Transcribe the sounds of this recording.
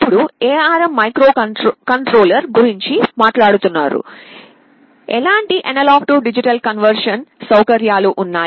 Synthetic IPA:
pːuɽueːaːɾɐmːɐjkɾo̞ːkɐɳʈɾo̞ːlɐɾɡuɾiɲt͡ʃimaːʈlaːɽut̪unːaːɾṵ | ɛ̰laːɳʈiʔɐnɐlaːkʈuɖid͡ʒiʈɐlkɐnʋɐɾʂɐnsɐwkɐɾjaːluʔunːaː

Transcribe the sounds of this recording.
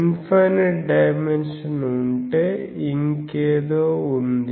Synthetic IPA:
nfaːnɐʈɖɐjmenʂɐnuɳʈeiŋkeːðoːund̪

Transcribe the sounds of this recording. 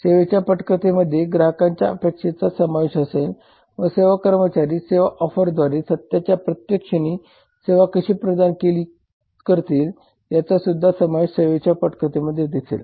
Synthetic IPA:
seʋet͡ɕjapəʈkət̪eməd̪ʱːjeɡɾaɦəkãɲt͡ɕja̰əpekʂet͡sasəmaʋeɕəsel | ʋəseʋakəɾmət͡ɕaɾiːseʋaʔɔfəɾd̪ʱʋaɾesət̪jat͡ɕjapɾət̪jəkʂəɽ̃iː | seʋakəɕiːpɾəd̪ankeliː | kəɾt̪iːl | t̪jat͡sasud̪ʱːasəmaʋeɕseʋet͡ɕapəʈkət̪eməd̪ʱːjed̪isḛl

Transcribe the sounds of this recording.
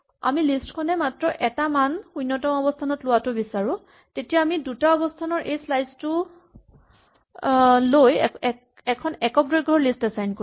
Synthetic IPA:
a̰milistkʰɔnɛmatɹɔʔɛtamanxujnːɔtɔmɔbɔstʰanɔtlʊwatʊbisaɹʊ̃ | tetijaːmidutaɔbɔstʰanɔɹʔejslajztʊ | lojɛ | ɛkʰɔnɛkɔk̚dɔjɡʱɔɹlistasajnko

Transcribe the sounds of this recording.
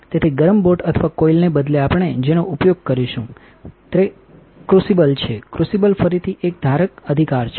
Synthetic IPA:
t̪et̪ʰiɡəɾəmboʈət̪ʰəʋakoilnebəd̪leapəɳ̃ed͡ʒenoʔupjoɡ̚kəɾiʃũ | t̪ɾe | kɾusibəlt͡ʃʰekɾusibəlfəɾit̪ʰiʔek̚d̪ʱaɾəkəd̪ʱikaɾt͡ʃʰe

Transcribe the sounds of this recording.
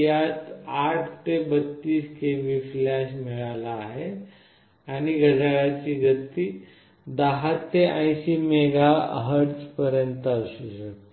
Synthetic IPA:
jat̪aʈʰt̪ebət̪ːiːskeʋiflaɕmiɭalaːɦe | aɽ̃iɡəd͡zaɽat͡ɕiɡət̪i | d̪aɦat̪ːeʔə̃ĩɕimeɡaɦəɽd͡zpəɾjənt̪əɕuɕəkt̪

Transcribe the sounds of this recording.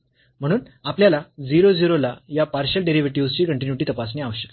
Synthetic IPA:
m̤əɽ̃uːn | apljalad͡ziɾod͡ziɾolajapaɾɕəlɖeɾiʋeʈiust͡ɕiːkəɳʈinjuʈiːt̪əpasniaʋəɕə̥k

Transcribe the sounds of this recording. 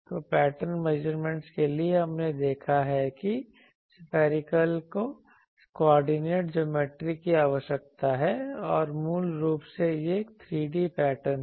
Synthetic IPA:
t̪opɛːʈəɾnmɛd͡ʒəɾmẽɳʈskelieɦɐmned̪eːkʰaɦɛki | spʰɛːɾɪkəlko | koɔːɾɖineːʈ̚d͡ʒoːmeːʈɾikiaːʋəʃək̚t̪aɦɛɔːɾmuːlɾuːpsejekt̪ʰɾiːɖipɛːʈəɾn

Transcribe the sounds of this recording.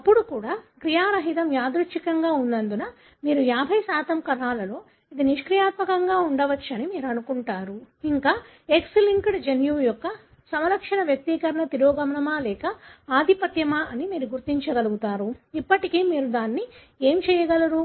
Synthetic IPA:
ɐpːuɽukuːɽaːkɾijaːɾɐɦit̪ɐmjaːd̪ɾuʃikɐŋɡaːunːd̪ɐnd̪unɐ | miːɾujaːbʱɐjsaːt̪ɐmkɐnaːlɐlo̞ː | id̪iniʂkɾijaːt̪mɐkɐŋɡaːuɳɖɐʋɐt͡ʃːɐnimiːɾuɐnukuɳʈaːɾuiŋkaː | eksliŋkɽd͡ʒenjujɔkːɐ | sɐmɐlɐkʂɐnɐʋjɐk̚t̪ikɐɾɐɳɐt̪iɾoːɡɐmɐɳɐmaːlɛːkɐaːd̪ʱipɐt̪jɐmaːʔɐnimiːɾuɡuɾt̪iɲt͡ʃɐɡɐluɡut̪aːɾuipːɐʈikiːmiːɾud̪aːnːi | e̞ːmt͡ʃɛːjɐɡɐlɐɾu

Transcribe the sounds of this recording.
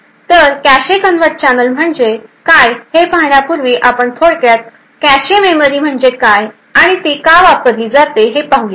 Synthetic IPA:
t̪əɾkæɕekənʋət̪̚t͡ɕanəlm̤əɳd͡ʑekajhepaɦɳjapuɾʋiːʔapəɳt̪ʰoɽkjat̪̚ | kæɕememəɾiːm̤əɳd͡ʑekaj | aɽ̃it̪iːkaʋapəd̪iːd͡zat̪eɦepaɦuli

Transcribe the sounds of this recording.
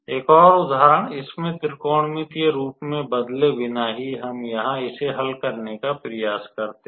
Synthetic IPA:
eːkɔːɾʊd̪ʱaːɾəɳɪsmẽt̪ɪɾkoːɽ̃mɪt̪jeɾuːpmẽbɐd̪lebɪnaɦiɦɐmjɐɦãɪseɦɐlkɐɾnekapɾəjaːskɐɾt̪e

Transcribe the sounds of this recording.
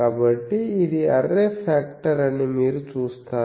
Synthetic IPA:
ɐbɐʈːɯiðiɐrːefaːkʈɐɾɐnːɯmiːɾɯt͡ʃuːst̪aː

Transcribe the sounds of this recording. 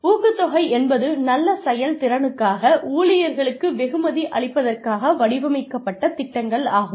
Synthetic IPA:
uːkɯt̪ːɔɣɐɪɛnbɐðɯnɐlːɐsɐjɐlt̪ɪɾɐnɯkːaːɣɐuːɭɪjɐɾɣɐɭɯkːɯʋɛɣɯmɐðiʔɐɭɪpːɐðɐrkaːɣɐʋɐɽɪʋɐmɐɪkːɐpːɐʈːɐt̪ɪʈːɐŋɡɐɭaːɣɯ

